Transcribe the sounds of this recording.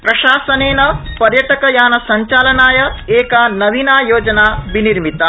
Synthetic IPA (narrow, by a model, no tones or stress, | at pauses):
pɾɐʃaːsɐneːnɐpɐɾjɐʈɐkɐjaːnɐsɐɲt͡ʃaːlɐnaːjɐeːkɐnɐʋinaːjoːd͡ʒɐnaːbiniɾmit̪ɐ